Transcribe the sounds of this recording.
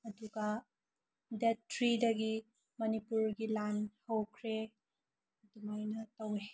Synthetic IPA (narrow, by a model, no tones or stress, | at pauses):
ɐduɡɐ | detːɾidɐɡi | mɐnipuɾɡilanhɐwkʰɾe | ɐdumajnɐtɐwe